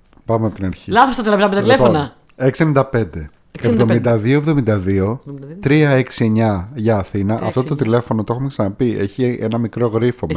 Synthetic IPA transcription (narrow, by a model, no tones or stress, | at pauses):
pɐmeɐpot̪inɐɾçilɐθost̪ɐt̪elɐpeɐileonɐ | eksienind̪ɐpe̞nd̪e̞ | evðomind̪ɐðioevðo̞mind̪ɐðio̞t̪ɾiɐeksie̞ɲɐʝɐːθinɐʔɐft̪o̞t̪ot̪ile̞fo̞no̞t̪oe̞xumeksɐnɐpie̞çiʔe̞nɐmikɾo̞ɣɾifo̞m